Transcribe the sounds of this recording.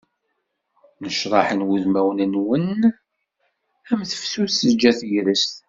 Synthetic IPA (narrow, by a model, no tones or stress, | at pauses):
nəʃɾˤɑħənwuðmæwnənwən | æmθə̥fsusəd͡ʒːæθjɾəst̪